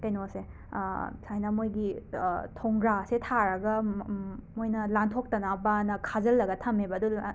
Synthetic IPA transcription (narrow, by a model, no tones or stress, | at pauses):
tenose | sajnɐmojɡitʰoŋɡɾasetʰaɾɐɡɐ | mojnɐlantʰok̚tɐnabanɐkʰazɐlːɐɡɐtʰɐmebɐdu